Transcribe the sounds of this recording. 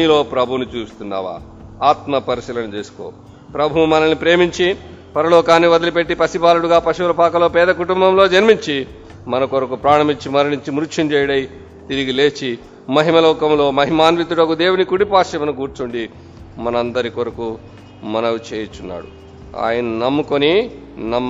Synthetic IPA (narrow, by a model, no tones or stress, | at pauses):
ilo̞ːpɾɐbʱunut͡ʃuːst̪unːa̰ːʋa̰ː | aːt̪mɐpɐɾisiːlɐnut͡ʃeːsu̥ko̰ː | pɾɐbʱuumɐnɐnːipɾe̞ːmiɲt͡ʃi | pɐɾɐloːkaːniʋɐd̪ɐlipeʈːipɐsipaːluɽuɡaːpɐʃiʋɐɾɐpaːkɐlo̞ːpɛːd̪ɐkuʈumbɐmlo̞ːd͡ʒɐnmiɲt͡ʃi | mɐnɐkoɾɐkupɾaːɳɐmiɲt͡ʃimɐɾinuɲt͡ʃimɾuʂʰint͡ʃɛːjɽɐj | t̪iɾiɡile̞ːt͡ʃi | mɐɦimɐlɐːkɐmlo̞ːmɐɦimaːnʋit̪ːuɽɐɡud̪e̞ːwunikuɽipaːʂɐmɐnɐk̬uːɾt͡ʃuɳɖi | mɐnɐɐnd̪ɐɾikoɾɐku | mɐnɐʋut͡ʃeːjɐt͡ʃːunːa̰ːɽṵ | a̰ːjɐnɐnɐmːukoni | nɐ